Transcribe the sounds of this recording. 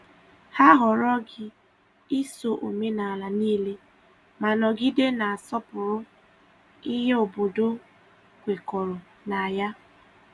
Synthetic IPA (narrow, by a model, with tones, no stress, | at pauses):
ha˦ɦɔ˨ɾɔ˦ɡɪ˦ | ɪ˦so˨ʔo˨me˦na˨a˨la˨niː˦le˦ | ma˨nɔ˨ɡi˦de˦na˨a˨sɔ˦pʊ˨ɾʊ˦ | i˦ɦe˦o˨bo˨do˦ | kʷe˨kɔ˨ɾɔ˨ | na˨a˨ja˦